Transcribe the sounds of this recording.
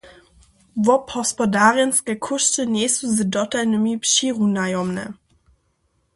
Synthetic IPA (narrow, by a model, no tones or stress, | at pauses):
vɔpʰɔspɔdaːʁjənskəkʰʊʃtəneːsuzədɔtanəmipʃiʁunajɔmnə̰